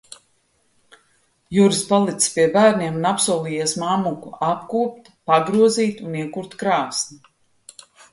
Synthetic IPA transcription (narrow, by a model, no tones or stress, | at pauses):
juːɾispalˠit̪spiɛbæːɾniɛmunapsuɔlˠiːjɛsmamukuapkuːp̚t̪ | paɡɾuɔziːt̪uniɛkuɾt̪kɾaːsni